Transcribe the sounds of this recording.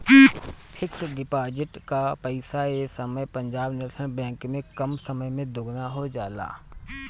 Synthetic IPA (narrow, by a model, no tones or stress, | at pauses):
kiː | pʰɪksɖɪpaːd͡ʒɪʈkapəɪsaesəməjpɐ̃ɲd͡ʒaːbnɪɾsʰəñbɛ̃ːŋkmẽkɐmsɐməjmẽd̪ʊɡnaɦod͡ʒaːla̰ː